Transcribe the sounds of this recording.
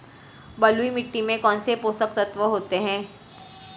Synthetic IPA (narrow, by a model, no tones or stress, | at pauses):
bɐluimɪʈːimẽkɔːnsepoːsək̚t̪ɐt̪ʋəɦoːt̪eɦɛ̃ː